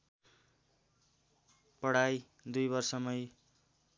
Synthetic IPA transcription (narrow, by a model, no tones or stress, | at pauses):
pʌɽaj | d̪ujbʌrsʌmʌj